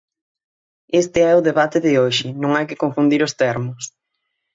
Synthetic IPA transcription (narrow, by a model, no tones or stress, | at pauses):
est̪ɪɛʊðeβat̪ɪðɪoʃɪnõŋajkɪkoɱfund̪iɾʊst̪ɛɾmʊs